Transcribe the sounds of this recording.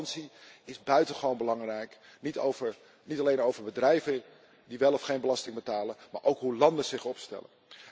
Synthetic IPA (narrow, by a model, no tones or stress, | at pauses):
nsiɪzbœɥtənχəʋownbəlɑŋrɛjk | nitovəɹ | nitɑlejnowvəɹbədrɛjvə | diʋɛlˠɔfχejnbəlɑstɪŋbətaːlənma̰ːɹʔowkɦulɑndənz̥ɪχɔpstɛ̰lə̰n